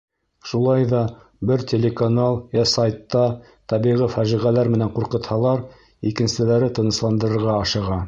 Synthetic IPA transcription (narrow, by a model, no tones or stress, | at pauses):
ʃulˠɑjðɑ | bɘɾt̪ʲelʲekanɑlˠjɑsajt̪ːɑ | t̪ɑβiʁɘfæʒiʁælæɾmɘ̆næɴquɾqɤ̆t̪hɑlˠɑɾ | ikɘ̆nsɘ̆læɾɘt̪ɤ̆nɤ̆slˠɑnd̪ɤ̆ɾɤ̆ɾʁɑɑʃɤ̆ʁɑ